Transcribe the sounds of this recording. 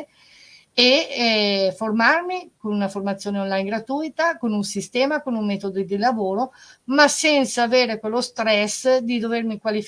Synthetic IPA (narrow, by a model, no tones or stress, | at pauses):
e | formarmikonunaformat̪sːjoːneonlajnɡɾat̪ujt̪akonunsist̪ɛːmakonuŋmɛːt̪od̪id̪ilavoːɾomasɛnt̪saːveːɾekwelːost̪ɾɛsd̪id̪overmikwalif